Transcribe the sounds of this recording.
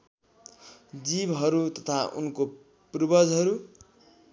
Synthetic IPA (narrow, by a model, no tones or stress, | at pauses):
d͡zibɦʌɾut̪ʌt̪ʰaʔṵnko | prubʌd͡zɦʌɾu